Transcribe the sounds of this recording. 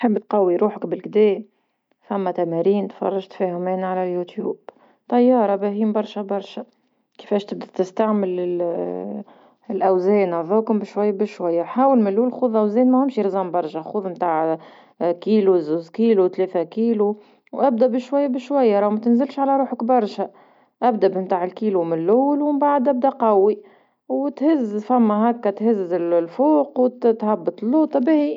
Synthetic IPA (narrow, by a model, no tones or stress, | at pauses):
ħəbːt̪̚qɑwːiɾuːħəkbɪlkd̪ɛːm | fæmːæt̪æmæɾiːnt̪fɑ̰rˤːɑʒt̪fɛːhʊmɛːnʕalæjut̪jṵːb̥ | t̪ɑjːɑːɾˤɑbæɦiːmbɑɾˤʃabɑɾˤʃæ | kɪ̥fɛːʃt̪ɪb̚d̪æt̪ɪst̪aʕmɪlɪ | lʔæwzɛːnaðˤɑkʊmbɪʃwajːabɪʃwajːaħaːwəlmɪlːuːllxuːðˤʔæwzɛːnmæhʊmʃiɾɪzɑːmbɑɾˤʃaxuːðˤmt̪aːʕ | kiːluzuːzkiːlut̪leːθækiːlu | wʔæb̚d̪æbɪʃwajːabɪʃwajːaɾˤɑwmæt̪ɪnzɪlʃʕalæɾˤuːħəkbɑɾˤʃæ | ʔæbd̪æbmt̪aːʕɪlkiːlumɪnlʔʊːlwɪmbaʕad̪ʔæb̚d̪æqɑwːi | wt̪hɪzːfæmːæɦækːæt̪hɪzɪllfuːqwt̪t̪hɑbːɑt̪ˤlːuːt̪ˤɑbɪhi